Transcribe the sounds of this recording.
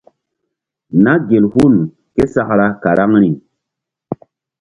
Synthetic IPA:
na˦ɡe˨lhu˦˨n | ke˦sa˨kɾa˦ka˨ɾa˦ŋɾi˨

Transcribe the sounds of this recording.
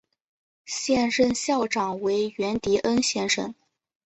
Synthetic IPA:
ɕjɛ˥˧nʂə˥˧nɕjɑ˥˩ʊʈ͡ʂɑ˨˩ŋwe˧˥ɪɥɛ˧˥nt̪i˧˥ʔə˥nɕjɛ˥˧nʂə̰˥˩n

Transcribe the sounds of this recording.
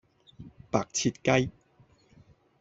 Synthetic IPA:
paː˨˩k̚t͡sʰi˧t̚kɐ˥j

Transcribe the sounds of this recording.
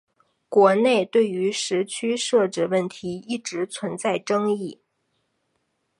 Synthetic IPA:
kwɔ˧˥ne˥˧ɪt̪we˥˩ɪy˧˥ʂɻ̩˧˥t͡ɕʰy˥ʂɤ˥˩ʈ͡ʂɻ̩˥˩wə˥˩nt̪ʰi˧˥i˥˩ʈ͡ʂɻ̩˧˥t͡sʰwə˧˥nt͡sa˥˩ɪʈ͡ʂɤ˥ŋi˥˩

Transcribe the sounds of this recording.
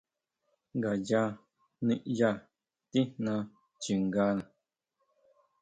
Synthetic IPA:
ŋɡa˨d͡ʒa˧˦ | ni˦ʔja˦˨ | ti˦nã˧˦ | t͡ʃi˨ŋ˨ɡaː˧˦nə˨

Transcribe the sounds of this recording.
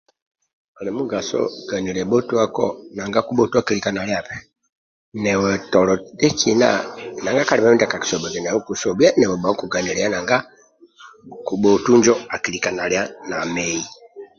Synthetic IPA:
a˨lɛ˨mu˦ɡa˨sɔ̰˦ɡ̥a˨ni˨lɛ˨bɔ˦tu˦a˦kɔ̰˦na˨ŋɡa˦ku˦bɔ˦tu˦a˨ki˦li˨ka˨na˨lja˨pɛ˨ | nɛ˨wɛ˨tɔ˨lɔ˨dɛ˦kina̰˦na˨ŋɡa˦ka˦li˨ma˦mi˦nda˨ka˨ki̥˨sɔ˨bɛ˨kɛ˨nɛ˨wɛ˦ku˨sɔ˨bja˦nɛ˨wɛ˨ba˨˦ku˨ɡa˨ni˨lɛ˨ja˦na˨ŋɡa˦ | ku˨bɔ˨tu˦nd͡ʒɔ˦a˨ki˨li˨ka˨na˨lja˦na˨mɛ˨i˨

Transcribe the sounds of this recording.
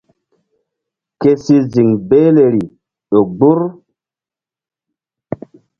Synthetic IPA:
ke˦si˦zi˨ŋbe˦le˨ɾi˨ | ɗo˨ɡ͡bu˦ɾ

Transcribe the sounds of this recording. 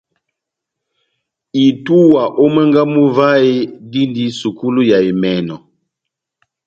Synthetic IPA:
i˨tu˦wa˨ʔo˦mɛ˦ŋɡa˦mu˦va˦e˦di˦ndi˦su˨ku˦lu˦ja˨e˨mɛ˨nɔ˨

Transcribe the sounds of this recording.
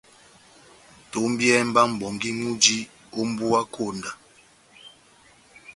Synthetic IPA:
to˨˦m̩˦bjɛ˦m̩˦ba˦m̩˨bɔ˨ŋɡi˦ŋu˦d͡ʒi˦ | o˦m̩˦bu˦a˦kʰo˦˨nda˨

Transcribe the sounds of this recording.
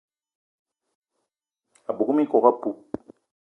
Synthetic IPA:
a˨bu˨ku˦mi˦kɔ˨ɣa˦pu˨˦

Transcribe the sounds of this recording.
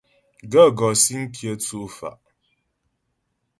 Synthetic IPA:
ɡə˦˨ɡɔ˨si˦ŋ̩˦kʰjə˦tu˦fa̰˨ʔ

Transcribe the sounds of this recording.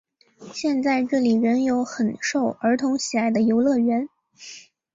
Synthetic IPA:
ɕjɛ˥˧nt͡sa˥˧ɪʈ͡ʂɤ˥˩li˨˩ɻə˧˥njo˧˥ʊxə˨˩nʂo˥˩ʊʔə˞˧˥t̪ʰʊ˧˥ŋɕi˨˩la˥˩ɪd̪ə˨jo˧˥ʊlɤ˥˩ɥɛ˧˥n

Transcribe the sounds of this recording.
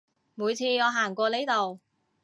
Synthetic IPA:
muː˨˧jt͡sʰiː˧ŋɔː˨˧ɦaː˨˩ŋkʷɔː˧le˨˥jt̪o˨w

